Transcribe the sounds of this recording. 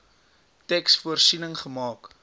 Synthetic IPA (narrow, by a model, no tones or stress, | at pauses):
tɛksfuərsinəŋχəmɑːk